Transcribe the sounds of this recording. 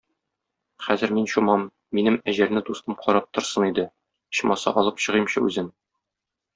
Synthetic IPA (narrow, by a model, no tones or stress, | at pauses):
χæzɘ̆ɾminɕumɑmː | inɘmæʑæɾnɘd̪ust̪ɤmqɒɾɑp̚t̪ŏɾsɤnid̪ɘ | ɤ̆ɕmɑsɑ̰ʔɒlˠɤpɕɤ̆ʁɤ̆mɕɤʉzɘn